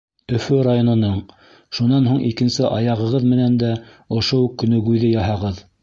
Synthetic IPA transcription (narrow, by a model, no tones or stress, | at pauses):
ɵ̆fɵɾajonŏnɤɴ | ʃunɑnɦuɴikɘ̆nsɘʔɑjɑʁɤ̆ʁɤðmɘ̆nænd̪æ | ŏʃokːɵ̆nɵ̆ɡʉjðɘjɑɦɑʁɤð